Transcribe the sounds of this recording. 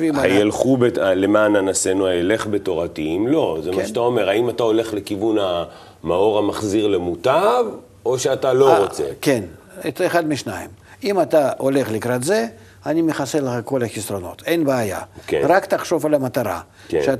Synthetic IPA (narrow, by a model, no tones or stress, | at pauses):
vimaajalχubealemaːnanasenuajele̞χbet̪o̞ʁat̪iimlo̞zemaʃat̪aome̞ʁhaimat̪ao̞le̞χlekivuna | mao̞ʁamaχziʁlemut̪av | oʃeat̪alo̞ʁot͡sekʲe̞n | eeχad̪mʲiʃnaim | imat̪aʔole̞χlʲɪkɾat̪ze̞ | anʲimɪχaselˠəχako̞lɐxʲisrono̞̰t̪e̞nbaːja̰krakt̪aχʃo̞falɐmɐt̪aɾa̰ | ʃea